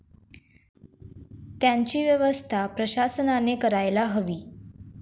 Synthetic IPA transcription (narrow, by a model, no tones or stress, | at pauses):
t̪jaɲt͡ɕiːʋjəʋəst̪ʰapɾəɕasənanekəɾajlaɦəʋiː